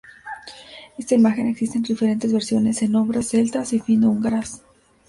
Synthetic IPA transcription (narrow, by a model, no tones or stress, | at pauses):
e̞st̪aimaxe̞ne̞ksist̪enɾeife̞ɾe̞nt̪e̞zβe̞ɾsjo̞ne̞se̞no̞mbɾese̞lt̪asifinuŋɡaɾas